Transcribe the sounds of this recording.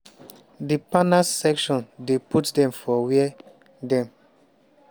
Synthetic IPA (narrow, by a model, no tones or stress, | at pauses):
dipanassɛkʃɔ̃ndeputdɛ̃mfɔwɛɛ | dɛ̃m